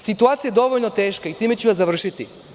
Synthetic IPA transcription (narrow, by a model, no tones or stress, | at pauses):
sit̪uat̪sijad̪oʋoʎnot̪eːʃkait̪imɛt͡ɕujazavr̩ʃit̪i